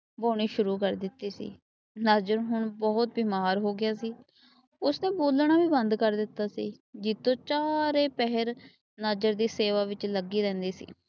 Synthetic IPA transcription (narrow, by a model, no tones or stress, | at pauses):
boːɽ̃iːʃʊɾuːkəɾd̪ɪt̪ːiːsḭː | nəd͡ʒəɾɦʊɳbɔːʊt̪̚biːmaːɾɦoːɡɪjaːsiː | ʊsnẽːboːlɳ̃aːbiːbənd̪kəɾd̪ɪt̪ːaːsḭː | d͡ʒɪt̪ːõːt͡ʃaːɾeːpɛɦəɾ | nəd͡ʒəɾd̪iːseːʋaːʋɪt͡ʃləɡiːɾɛ̃ːnd̪iːsḭː